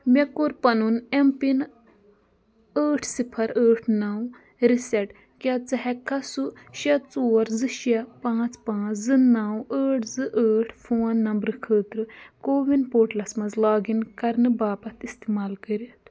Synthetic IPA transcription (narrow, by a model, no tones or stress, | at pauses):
mekuɾpɐnunempin | əːʈʰsipʰɐɾəːʈʰnɐw | ɾisɛʈ | kʲɐt͡sɨɦɛkɐsuʃɐt͡soːɾzɨʃɐpãːt͡spãːt͡szɨnawəːʈʰzɨʔəːʈʰfʰoːnːɐmbɾɨkʰəːt̪ɾɨkoːʋinpoːʈlɐsmɐzlaːɡinkɐɾnɨbaːpɐt̪ʰist̪imaːlkəɾit̪